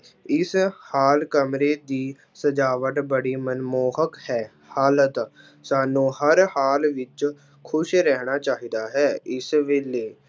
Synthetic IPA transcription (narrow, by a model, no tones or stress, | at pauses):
ɪshaːlkəmɾeːd̪iː | səd͡ʒaːʋəʈbəɽiːmənmoːɦəkhɛː | haːlət̪ | saːnũːhəɾhaːlʋɪt͡ʃ | kʰʊʃɾɛːnaːt͡ʃaːɦiːd̪aːɦɛːɪsʋeːleː